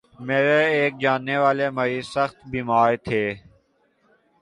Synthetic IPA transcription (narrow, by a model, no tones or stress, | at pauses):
meːɾeeːk̚d͡ʒaːnːeʋaːlemɐɾiːsəxt̪biːmaːɾt̪ʰeː